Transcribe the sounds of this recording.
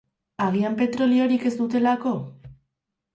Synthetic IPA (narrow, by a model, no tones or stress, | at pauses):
aɣ̞iampe̞t̪ɾo̞lio̞ɾike̞zd̪ut̪e̞lako̞